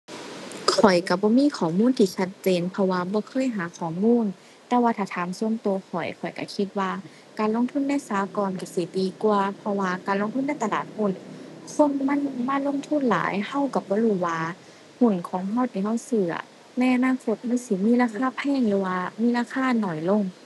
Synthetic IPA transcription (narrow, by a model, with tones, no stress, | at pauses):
kʰɔ˨˩jka˧˩bɔː˧˦miː˧˥˨kʰɔː˨˩muː˧˥˨nt̪ʰiː˧t͡ɕʰa˧t̪̚t͡ɕeː˨npʰɔ˧waː˧bɔː˧˦kʰɤː˧˥˨jɦaː˨˦kʰɔː˨˩˦muː˧˥˨n | t̪ɛː˧waː˧t̪ʰaː˧˩t̪ʰaː˨˦msu˧ə˨mt̪o˧˦kʰɔ˨˩jkʰɔ˨˩jka̰˧˩kʰi˧t̪̚waː˧ | kaː˨nlo˧˥˨ŋt̪ʰu˧˥˨nːa˧˥˨jsaː˨˦kɔː˨nka˧˩si˧˩d̪iː˨˩ku˧ɐpʰɔ˧waː˧kaː˨nlo˧˥ŋt̪ʰu˧˥˨na˥˨jt̪a˧laː˨˩t̪̚hu˧˥˨nso˧˥˨mma˧˥˨nmaː˧˥˨lo˧˥˨ŋt̪ʰu˧˥˨nla̰ː˨˦jha˧˩˨wka˧˩bɔː˧˦huː˧˩waː˧ | hu˧˩˨nkʰɔː˨˦ŋɦa˧˥˨wt̪ʰiː˧˩ha˧˥˩wsɯː˧˩ɐ̰˨ | na˧˥˨jʔa˧naː˧˥˨kʰo˧˦t̪̚ma˧˥˨si˧˦miː˧˥˨laː˧˩kʰaː˧˨pʰɛː˧˥˨ŋlɯː˨˧˦waː˧miː˧˥laː˧˩kʰaː˧˥˨nɔ˨˩jlo˧˥˨ŋ